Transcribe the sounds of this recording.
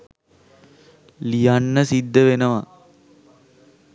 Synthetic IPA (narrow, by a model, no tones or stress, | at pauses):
lijanːəsid̪ːəʋenəʋa̰